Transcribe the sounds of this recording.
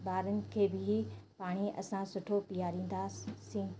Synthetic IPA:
baːɾənɪ̆kʰeːbɪɦipaːɽ̃iʔɐ̰sãsʊʈʰopijaːɾĩːn̆d̪aːssĩː

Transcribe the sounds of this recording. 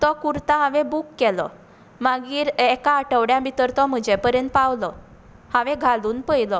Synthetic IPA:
t̪ɔkuɾt̪aɦãʋẽbukːɛlɔ̰ | maɡiːɾɛkaəʈəʋɽjãbit̪əɾt̪ɔm̤əd͡ʑepəɾjə̃nt̪̚paʋlɔ | hãʋẽɡʱaluːnpəjlɔ

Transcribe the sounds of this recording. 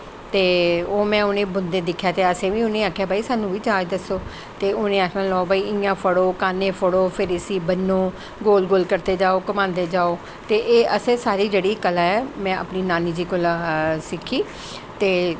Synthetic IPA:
t̪eːoːmɛ̃ːʊnẽːbʊnd̪eːd̪ɪkʰːjaːt̪eːəsẽːʋĩːʊnẽːaːkʰːjaːbʱaːiːsaːnũːʋiːt͡ʃaːd͡ʒd̪əsoː | t̪eːʊnẽːakʰnãːlɔːoːbaːiːɪjãːpʰəɽoːkaːnẽːpʰəɽoːpʰɪɾɪsiːbənːõː | ɡoːlɡoːlkəɾt̪eːd͡ʒaːoːkəmãːnd̪eːd͡ʒaːoː | t̪eːʔeːəsẽːsaːɾiːd͡ʒeːɽiːkəlaːɛːmɛ̃ːə̰pniːnaːniːd͡ʒiːkʊlaːsɪkʰːiː | t̪eː

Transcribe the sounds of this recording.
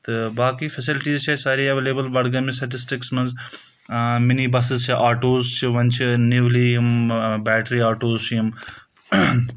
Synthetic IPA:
t̪ɨbaːkiːfʰɐsɪlɪʈiːzt͡ʃʰɐsaːɾiːɐʋeːleːbəlbɐɽɡɐmĩsʈɐʈ̬ɪsʈɪksmɐnz | mɪniːbɐs̬ɪzt͡ʃʰiʔaːʈoːzt͡ʃʰiʋɐnt͡ʃʰinɪʋliɐmbɛːʈɾiːaːʈoːzt͡ʃʰɐm

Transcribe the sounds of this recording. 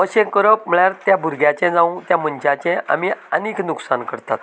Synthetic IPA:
əɕẽkəɾəp̚m̤əɭjaɾt̪jabʱuɾɡjat͡ɕɛ̃d͡zãũt̪jaməɲt͡ɕat͡ɕɛ̃ʔa̰miəniknuksankəɾt̪at̪

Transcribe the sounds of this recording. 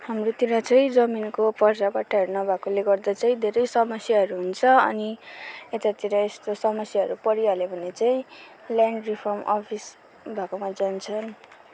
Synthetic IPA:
hamrot̪iɾat͡saĩd͡zʌminkopʌrd͡zabaʈʰʌɦeɾnʌbʱakoleɡʌrd̪at͡saĩd̪ʱeɾʌjsʌmʌsjaɦʌɾuɦunt͡sʰʌʌ̰niet̪at̪iɾaest̪osʌmʌsjaɦʌɾupʌɾialebʱʌnet͡saĩ | ljaɳɖripʰʌrmɔ̰pʰis | bʱakomad͡zant͡sʰʌn

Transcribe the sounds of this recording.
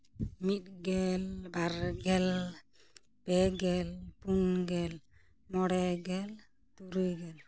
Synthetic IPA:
mit̪̚ɡɛlbaɾɡɛl | pɛɡɛlpunɡɛl | mɔɽɛɡɛl | t̪uɾujɡɛl

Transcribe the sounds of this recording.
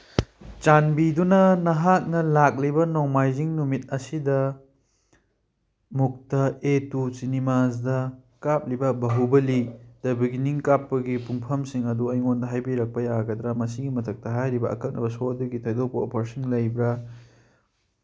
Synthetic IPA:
t͡ʃanbidunɐnɐɦak̚nɐlak̚libɐnoŋmajziŋnumit̚ɐsidɐ | muk̚tɐetusinimazdɐ | kap̚libɐbɐɦubɐlidɐbiɡiniŋkapːɐɡipuŋpʰɐmsiŋɐduɐjŋondɐɦajbiɾɐk̚pɐjaɡɐd̪ɾɐmɐsiɡimɐtʰɐk̚tɐɦajɾibɐɐ̰kɐt̚nɐ̰bɐsoɐduɡitʰɐjdopo̰pʰɐɾsiŋlɐjbɾɐ

